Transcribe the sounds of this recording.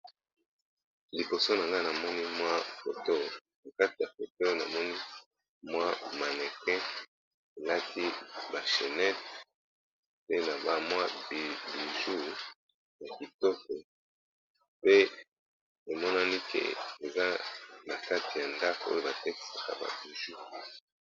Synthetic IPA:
li˨po˨so˦na˨ŋɡa˦na˨mɔ˦ni˦mwa˦fo˨to˦ | na˨ka˦ti˨ja˨fe˨te˦o˦jo˦na̰˨mɔ˦ni˦ | mwa˦ma˨nɛ˨kɛ˦ | e˨la˦tʰi˦ba˨ʃe˨nɛ˦t | pe˦na˨ba˦mwa˦bbi˨ʒu˦˨ | ja˨ki˨tɔ˦kɔ˨ | pe˦ | e˨mɔ˦na˦ni˦kḛ˨e˨za˦na˨ka˦ti˨ja˨nda˦ko˨o˦jo˦ba˨tɛ˦ki̥˨sa˨ka̰˨ba̰˨bi˨ʒu˦

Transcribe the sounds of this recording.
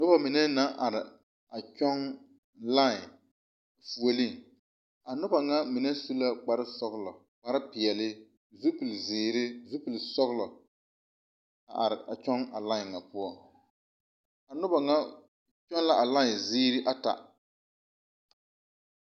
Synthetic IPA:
nʊ˦ba˨mɪ˨nɛ˦na˦ʔa˨ɾɪ˨ | a˨t͡ʃɔ˦ŋ | la˦˨ | fu˨o˨li˦˨ | a˨nʊ˦ba˨ŋa˦mɪ˨nɛ˦su˦la˦k͡pa˨ɾɪ˦sɔ˦ɣlɔ˨ | k͡pa˨ɾɪ˦pɪ˨ɛ˨lɪ˦ | zu˦pu˨lzɪː˨ɾɪ˦zu˦pu˨lsɔ˦ɣlɔ˨ | a̰˨ʔa˨ɾɪ˨ʔa̰˨t͡ʃɔ˦ŋa̰˨la˦ɪ˨ŋa˨pʊ˦ɔ˦ | a˨nʊ˦ba˨ŋa˦ | t͡ʃɔ˦n˦la˦ʔa˨la˦ɪ˨ziː˦ɾɪ˦ʔa˦ta̰˨

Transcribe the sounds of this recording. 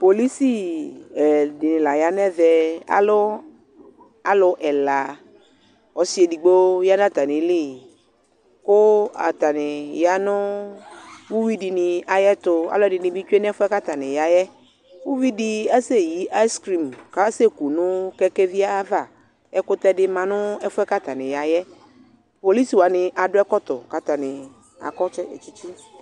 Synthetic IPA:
po˨li˦si˦ɛ˨dɪ˨nɪ̃˨la˨ja˨nɛ˦vɛ˨a̰˦lʊ˦ | a˨lʊ˧ʔɛ˨la˨ | ɔ˨si˦e˨di˨ɡ͡bo˦ja˦n˦a˦˨t̪a˨nɪ̃˨˦li˦˨ | kʊ˦a̰˨t̪a˨nɪ˨ja˦nʊ̃˦ | wu˦wi˦di˨nɪ˧a˨jɛ˦t̪ʊ˦a̰˨lɔ˦dɪ˨nɪ̃˨bi˦t͡ʃu˦e˦n˦ɛ˦fʊ˦ɛ˦ka˦t̪a˨nɪ̃˨ja˨jɛ˦ | wu˦wi˦di˦a˦se˦ji˨˦ʔa˦jskɾi˨mka˨˦se˦ku˨nʊ̃˦kɛ˦kɛ˦vi˦a˦va˦˨ | ɛ˦kʊ˦t̪ɛ˦dɪ˦mã˨nʊ̃˦ɛ˦fʊ˦ɛ˦ka˦t̪a˨nɪ̃˨ja˨jɛ˦ | po˨li˦si˨wa˨˦nɪ̃˧ʔa˨ɖʊ˦ɛ˦kɔ˦t̪ɔ˨ka˨t̪a˨nɪ̃˨ | a̰˨kɔ˦t͡ʃɛ˦e˨t͡ʃi˦t͡ʃi˦

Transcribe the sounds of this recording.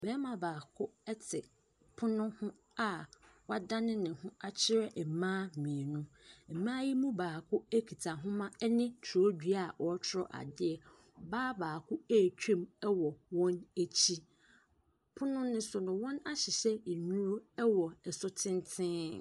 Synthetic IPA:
bɛː˦mã˨baː˨kʰʊ˦ɛ˦tʰɪ˨ | pʰʊ˦nʊ̃˦hʊ̃˦ | a˨wa˦dã˦nɪ̃˦nɪ̃˨hʊ̃˦a˦t͡ɕʰɪ˦ɾɛ˦˨mãː˦mĩ˨nʊ̃˦m̩˨mãː˦ji˦mũ˦baː˨kʰʊ˦æ˦kʰi˨tʰa˨ɦʊ̃˦mã˦ɛ˦nɪ̃˦tʰɔ˦dᶣɥa˨ʔɔ˦t͡ɕʰɾɔ̰˦ʔa̰˨dɪ˦ɛ˨ | baː˦baː˨kʰʊ˦æ˦˨t͡ɕᶣʰẽ˦˨mɛ˦wɔ˨wɔ̃˦ne˦t͡ɕʰi˦ | pʰʊ˦nʊ̃˦nʊ̃˦sʊ˨nʊ̃˨wɔ̃˦na˦ɕɪ˨ɕɛ˦i˨ɲũ˦ɾʊ˦ɛ˦wɔ˨ɛ˨sʊ˦tʰɪ̃˦ntʰɪ̃˦

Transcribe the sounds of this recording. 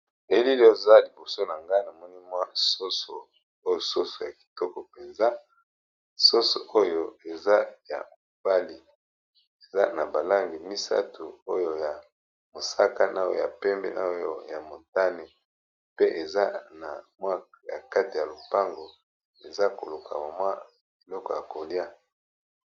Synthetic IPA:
e˨˦li˦lo˦za˦li˨bo˨so˦na˨ŋɡa˦na˨mɔ˦ni˦mwa˦so˦so˨ | o˦jo˨so˦so˨ja˨ki̥˨tɔ˦kɔ˨pe˨nza˦ | so˦so̰˨ʔo˦jo˦e˨za˦ja̰˨mo˨b̥a˦li˨ | e˨za˦na˨ba˨la˦ŋɡi˨mi˦sa̰˦tu˨o˦jo˨ja˨ | mo˨sa˦ka˦na˦jo̰˦˨ja̰˨pɛ˦mbɛ˦na̰˦jo˦ja˨mo˨ta˦ne˨ | pe˦ʔe˨za˦na̰˨mwa˦ | ja̰˨ka˦ti˨ja˨lo˨pa˦ŋɡo˨ | e˨za˦ko̰˨lo˨kʰa̰˨ma˨mwa˦ | i˨lɔ˦kɔ˨ja˨ko˨lja˦

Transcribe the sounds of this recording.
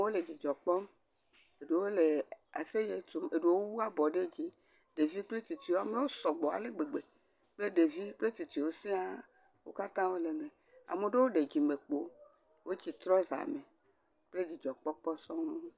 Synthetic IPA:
wo˦le˨d͡ʑi˨d͡ʒɔ˨k͡pɔ˦m | e˨ɖe˨wo˦le˨a˨se˦je˨t̪o˦me˨ɖe˨wo˦wu˦a˦bɔ˨ɖe˦d͡ʑi˦ | ɖe˨vi˦k͡ple˦t̪i˨t̪i˨wo˨a˨mle˦wo˦sɔ˨ɡ͡bɔ˨a̰˨le˦ɡ͡be˨ɡ͡be˨ | k͡ple˦ɖe˨vi˦k͡ple˦t̪i˨t̪i˨wo˦sĩ˦a˦ | wo̰˦ka˦t̪ã˦wo˦le˨me˨ | a̰˨me˨ɖe˦wo˦ɖe˨d͡ʑi˨me˨k͡po˦ | wʔo˦t͡ɕi˨t̪ɾɔ˦za̰˨me˨ | k͡ple˦d͡ʑi˨d͡ʒɔ˨k͡pɔ˦k͡pɔ˦sɔ̃˦m˦

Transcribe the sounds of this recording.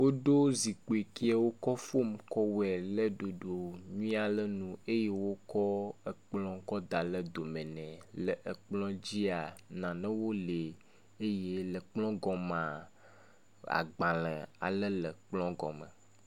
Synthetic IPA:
wo˦ɖo˦zi˨k͡po˨e˨ki˦a˦wo˦kɔ˦fo˦mkɔ˦wɛ˨lə˦ɖo˨ɖo˨ɲũ˦a˨lə˦nũ˨e˦je˦wo˦kɔ˦ə˨k͡plɔ̃˦kɔ˦d̪a˨lə˦d̪o˨mɛ̃˨nɛ̃˨lə˨ʔə˨k͡plɔ̃˦d͡ʑi˦a˨nã˨nɛ̃˦wo˦le˨ | e˦je˦lə˨k͡plɔ̃˦ɡɔ˨mã˨ | a̰˨ɡ͡bã˨lə˨a̰˨lə˦lə˨k͡plɔ̃˦ɡɔ̰̃˨mə̰̃˨

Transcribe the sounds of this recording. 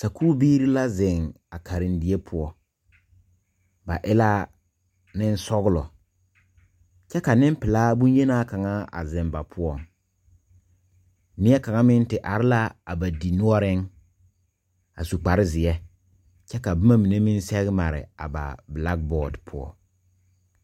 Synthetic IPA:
sa˨kuː˦biː˦ɾi˦la˦zɪ˨ŋ | a˨kʰa˨ɾɪ˨n˦di˨e˦pʰʊ˦ɔ˦ | ba˨ʔɪ˦la˦ | nɪ˦n˦sɔ˦ɣʊ˦lɔ̰˨ | t͡ʃɛ˦ka˨nɪ˦m˦pɪ˨laː˦bu˦nje˦naː˦ka˨ŋa˦a̰˨zɪ˨mba˨pʰʊ˦ɔ˦˨ŋ | nɪ˦ɛ˦ka˨ŋa˦mɪ˦n˦tɪ˨ʔa˨ɾɪ˦la˦a˨ba˨di˨nʊ˦ɔ˦ɾɪ˦ŋ | a˨su˨k͡pa˨ɾɪ˦zɪ˨ɛ˦ | t͡ʃɛ˦ka˨bʊ˦ma˦mi˨ne˦mɪ˦n˦sɛ˦ɣɪ˦ma˨ɾɪ̰˨a˨ba̰˨bla˦k̚bɔː˨dpʰʊ˦ɔ̰˨

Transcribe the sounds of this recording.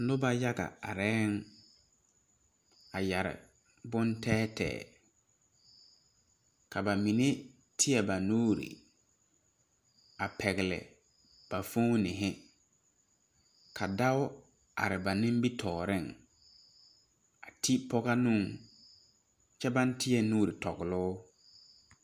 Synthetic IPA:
lʊ˦ba˦ja˦ɡa̰˨a˨ɾɛː˦ŋ | a˨ja˨ɾɪ̰˨ | bʊ˦ntʰɛː˦tɛ̰ː˨ | ka˨ba˨mi˨ne˦ | tʰɪ˦ɛ˨ba˨nuː˦ɾḭ˨ | a˨pʰɛ˨ɣɪ˨lɪ̰˨ | b̥a˨fu˦nɪ˨ɦɪ˦ | kʰa˨da˦ʊ˦ | a̰˨ɾɪ˨ba˨nɪ̃˦m˦bi˦tʰɔː˨ɾɪ˦˨ŋ | a˨tʰi˦pɔ˦ɣa˦nʊ̃˦˨ŋ | t͡ʃɛ˦ba˦ntɪ˦jɛ˦nuː˦ɾi˨tɔ˨ɡɪ˨lʊ˦

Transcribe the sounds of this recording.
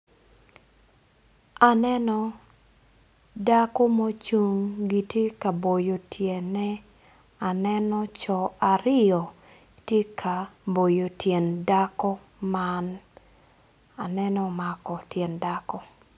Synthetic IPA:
a˨nɛ˦nɔ˨ | da˦kɔ˦mo˦t͡ʃu˦ŋɡi˨tje˦ka˨bo˨jo˨tʰjɛ˨nɛ˦ | a˨nɛ˦nɔ˦t͡ʃɔ˨a˨ɾɪ˦jɔ˨ | tje˦kʰa˨bo˨jo˨tjɛ˨nda˦kɔ˦ | man | a˨nɛ˦nɔ˦ma˨kɔ˨tjɛ˨nda˦kɔ˦

